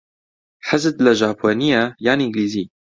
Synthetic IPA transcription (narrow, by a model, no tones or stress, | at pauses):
ħazɨd̪lɐʒaːpʰoːnijajaːniɪŋɡliːziː